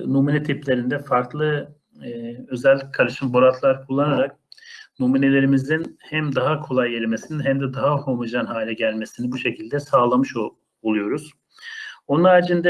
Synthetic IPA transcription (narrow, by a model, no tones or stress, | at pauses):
numinɛt̪ʰiplʲe̞ɾind̪ɛfaɾklˠɯ | ø̞zɛlʲːickʰalɯʃɯmbo̞ɾat̪ʰlˠaɾkʰulˠːanaɾak̚ | numine̞lʲe̞ɾimizd̪inhæmd̪aɦakʰo̞lˠajːeɾʲime̞sininɦæmd̪ɛd̪aɦahomud͡ʒanɦaːlʲɛɟælʲme̞sinibuʃe̞cʰilʲd̪ɛsaːlˠamɯʃ | olˠujo̞ɾuz̥ | o̞nunaːd͡ʒind̪ɛ